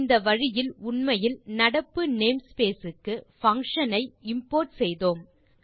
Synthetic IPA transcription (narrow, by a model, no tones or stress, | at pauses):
nd̪ɐʋɐɻɪjɪlʊɳmɐjɪlnɐɽɐpːɯneːmspeːsɯkːɯfɐŋkʂɐnɐɪɪmpoːɾʈsɛjðoːm